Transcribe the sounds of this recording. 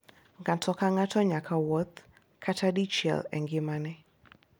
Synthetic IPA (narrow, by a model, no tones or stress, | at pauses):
ŋatʰɔkaŋatʰɔɲakʰawɔt̪ | kʰatʰadit͡ʃɛ̰lɛ̰ŋɡɪmanɛ